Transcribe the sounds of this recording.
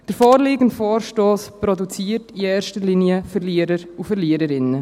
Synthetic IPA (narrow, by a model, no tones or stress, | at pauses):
d̥əɾfoːɾliːɡən̩tfoːɾʃtoːspɾɔdut͡siːɾtiɛːɾʃtəɾliniəfəɾliːəɾəɾufəɾliəɾəɾɪnə